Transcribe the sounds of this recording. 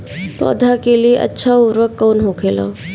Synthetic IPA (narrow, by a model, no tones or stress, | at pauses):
pɔ̰ːd̪ʱakelieʔə̰tːʃʰauɾʋəkːɔːnɦokʰelã̰